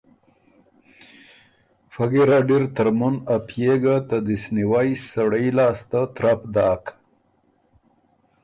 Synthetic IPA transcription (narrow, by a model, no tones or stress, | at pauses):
faɡiɾaɖiɾt̪əɾmunapjeɡat̪ad̪isniwajsaɽəjlaːst̪at̪ɾapd̪aːk